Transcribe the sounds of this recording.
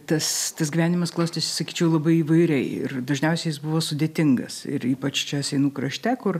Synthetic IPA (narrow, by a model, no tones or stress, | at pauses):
t̪ɐst̪ɐsɡʲiʋʲæːnʲɪmɐsklˠɐʊsʲt̪ʲesʲɪ̥sɐkʲiːt͡ʃʲɛʊlˠɐbɐɪiːʋɐɪɾʲɛɪɪ̰rd̪ɐʒʲnʲɛʊsʲɛɪjɪsbʊʋoːsʊd̪ʲeːt̪ʲɪŋɡɐ̰sɪ̰ɾiːpɐt͡ʃt͡ʃʲɛsʲɛɪnuːkɾɐʃʲt̪ʲɛkʊr